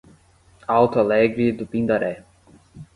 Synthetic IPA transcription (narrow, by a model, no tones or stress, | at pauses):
awt̪oalɛɡɾid̪upĩnd̪aɾɛ